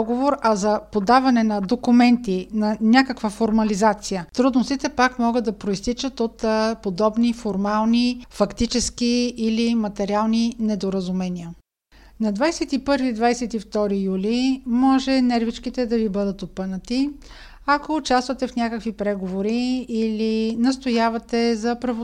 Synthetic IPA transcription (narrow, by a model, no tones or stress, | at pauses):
ɔɡovoɾɐzɐpod̪avɐnɛnɐd̪okʊmɛnt̪inɐnʲakəkvəfoɾmɐlizat̪sijət̪ɾud̪nost̪it̪ɛpakmɔɡəd̪d̪ɐpɾoist̪it͡ʃət̪ot̪pod̪ɔbnifoɾmalˠnifɐkt̪it͡ʃɛskiːlimɐt̪ɛɾialˠninɛd̪oɾəzʊmɛniə | nɐd̪vajsɛt̪ipɤɾvid̪vajsɛt̪ift̪ɔɾijulimɔʒɛnɛɾvit͡ʃkit̪ɛd̪ɐvibɤd̪ət̪opɤnət̪i | ɐkoʊt͡ʃast̪vɐt̪ɛfnʲakəkvipɾɛɡovoɾiːlinɐst̪ojavɐt̪ɛzɐpɾɐvo